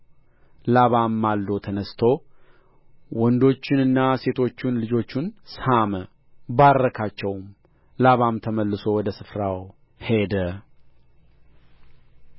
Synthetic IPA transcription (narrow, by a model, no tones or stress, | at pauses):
laβamːalːo̞t̪ʰənəst̪ʰo | wɔnd̪o̞t͡ʃːɪnɨnːase̞t̪ʰo̞t͡ʃːunlɨd͡ʒo̞t͡ʃːunshamə | baɾɾːəkʰat͡ʃːɛwm | laβamt̪ʰəməlːɨso̞wɔd̪əsɨfɾaw | he̞d̪ə